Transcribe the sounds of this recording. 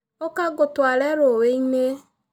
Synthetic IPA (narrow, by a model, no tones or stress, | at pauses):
okaɡʊtwaɾɛɾoweine